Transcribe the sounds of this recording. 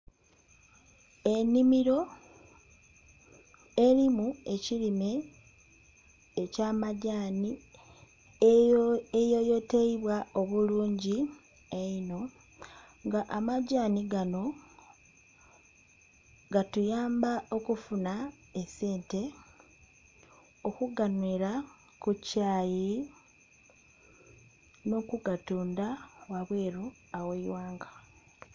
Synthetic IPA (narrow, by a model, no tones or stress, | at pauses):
e̞nimiɾo̞ | e̞ɾimue̞cilime̞ | caːmaɟaːni | ejojo̞teiβwao̞βuluːɲɟi | eino̞ | ŋɡaʔamaɟaːniɡano̞ | ɡatujaːmbao̞kufuna | ese̞ːnte̞ | okuɡanwiɾa | kucaːji | no̞kuɡatuːndawaβweːɾu | aweiwaːŋɡa